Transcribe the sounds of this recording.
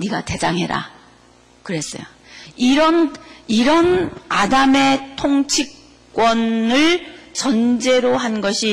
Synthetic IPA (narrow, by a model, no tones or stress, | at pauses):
niɡate̞d͡ʑaŋɦe̞ɾa̰ | kɯɾe̞s͈ʌ̰jo̰ | iɾʌniɾʌnadame̞tʰoŋt͡ɕʰik͈̚ | wʌnɯɭt͡ɕʌnd͡ʑe̞ɾoɦanɡʌɕʰi